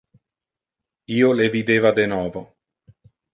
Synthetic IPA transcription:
iːolevid̪eːvad̪enɔːvo

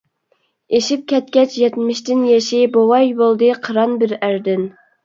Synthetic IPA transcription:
eʃip̚kʲɛt̪̚kʲɛt͡ʃʰjɛt̪mɪʃt̪ɪnjɛʃibowɑjbolˠd̪ɨqʰəɾɑnbɪɾæɾd̪ɪn

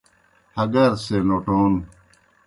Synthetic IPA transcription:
hɐɡɐɾsenoːʈoːn

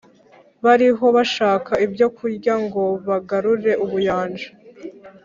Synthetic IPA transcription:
βaɾiɦo̞βaʃaːkaibjo̞kuɾɟaŋɡo̞βaɡaɾuɾe̞ʔuβujaːnd͡ʒḁ

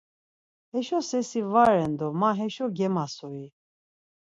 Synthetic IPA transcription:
hɛʃɔsɛsivaɾɛnd̪ɔmaɦɛʃɔɡɛmasɔi

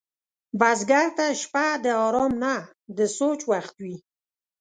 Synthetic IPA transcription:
bazɡaɾt̪aʃpad̪əɑɾɔmna | d̪əsot͡ʃwaxt̪wi

